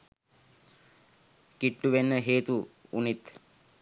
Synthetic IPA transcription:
kiʈːuʋenːəɦeːt̪uṵnit̪

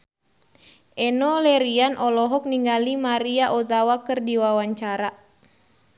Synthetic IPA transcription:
ʔɛnɔlɛɾianʔɔlɔɦɔk̚niŋɡalimaɾiaʔɔzawakɨrdiwawaɲt͡ʃaɾa

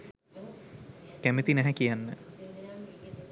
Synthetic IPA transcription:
kæmet̪inæɦɛkijanːə

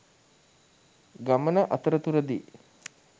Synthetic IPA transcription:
ɡamənəʔat̪əɾət̪uɾəd̪i

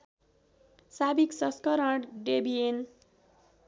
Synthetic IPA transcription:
sabiksʌskʌɾʌʈɖebien

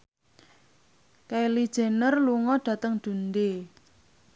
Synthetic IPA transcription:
kailid̥ʒ̥e̤nərluŋɔɖ̥ä̤t̪əŋd̪̥ṳnd̪e

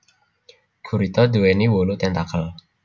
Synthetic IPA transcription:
ɡ̥ʰuɾit̪ɔd̪uweniwolut̪ɛnd̪akəl

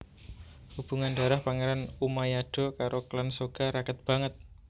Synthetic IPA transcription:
hub̥uŋandaɾahpaŋeɾanumajaɖ̥o̤kaɾoklansoɡ̥a̤ɾakət̪̚b̥a̤ŋət̪̚

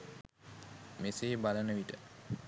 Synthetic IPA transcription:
mesebalənəʋiʈə

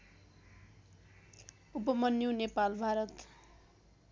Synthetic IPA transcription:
upʌmʌnjonepalbʱaɾʌt̪

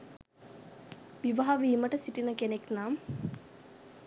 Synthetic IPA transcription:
ʋiʋaɦaʋiːməʈəsiʈinəkeneknam

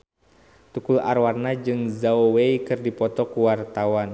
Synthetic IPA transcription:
t̪ukula̰rwarnad͡ʒɨŋzaoweikɨrdipɔt̪ɔkuwart̪awan

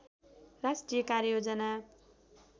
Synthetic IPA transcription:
rasʈrijʌkaɾjod͡zʌna

